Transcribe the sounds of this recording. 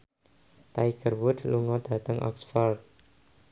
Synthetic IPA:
t̪aiɡ̥ərwʊd̪luŋɔd̪̥ä̤t̪əŋʔɔ̰ksfɔrd̪̚

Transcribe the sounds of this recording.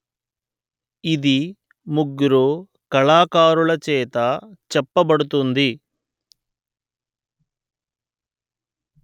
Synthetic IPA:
id̪i | muɡɾu | kɐɭaːkaːɾulɐt͡ʃɛːt̪ɐt͡ʃɛpːɐbɐɽut̪und̪i

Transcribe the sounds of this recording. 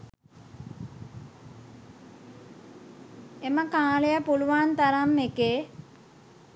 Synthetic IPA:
eməkaːlejəpuluʋaːnt̪aɾamːekeː

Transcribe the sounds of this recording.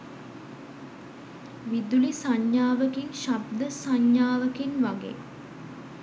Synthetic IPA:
ʋid̪ulisaɲjaːʋəkinʃabd̪əsaɲjaːʋəkinʋaɡḛː

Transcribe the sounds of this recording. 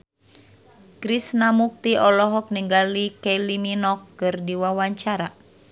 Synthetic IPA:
kɾisnamuk̚t̪iʔɔlɔɦɔk̚niŋɡalikɛliminɔkːɨrdiwawaɲt͡ʃaɾa

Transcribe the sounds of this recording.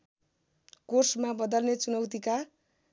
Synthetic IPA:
korsmabʌd̪ʌlnet͡sunʌwt̪ika

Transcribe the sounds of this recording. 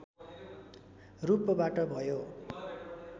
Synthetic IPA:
rupʌbaʈʌbʱʌjo

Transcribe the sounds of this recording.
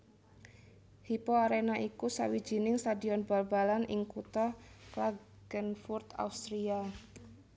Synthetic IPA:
hipoaɾenaʔikusa̰wi̥d͡ʒ̥inɪŋst̪adi̤ɔnbalbalanɪŋkut̪ɔkla | ɡ̥ənfurt̪a̰ust̪ɾia

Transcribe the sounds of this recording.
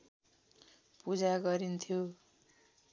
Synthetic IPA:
pud͡zaɡʌɾint̪ʰjo

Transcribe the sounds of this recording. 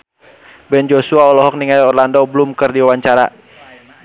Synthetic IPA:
bɛnd͡ʒɔsuaɔlɔɦɔk̚niŋajɔrlandɔbəlumkɨrdiwawaɲt͡ʃaɾa̰

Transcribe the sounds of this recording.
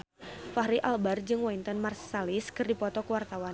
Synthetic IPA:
fahɾiʔalbard͡ʒɨŋwaint̪ɔnmarsːaliskɨrdipɔt̪ɔkəwart̪awan

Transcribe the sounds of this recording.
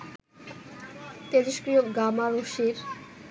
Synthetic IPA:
t̪eɾiʃkɾijoɡamaɾoʃiɾ

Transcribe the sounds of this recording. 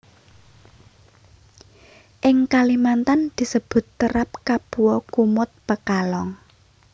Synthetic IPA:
ʔɪŋkalimant̪and̪̥i̤səb̥ʊ̤t̪ːəɾap̚kab̥uwɔkumʊt̪̚pəkalɔŋ

